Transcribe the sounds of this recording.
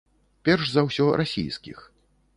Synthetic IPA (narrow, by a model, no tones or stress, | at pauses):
pʲɛrʂzɐwsʲɔɾʔasʲḭjskʲḭx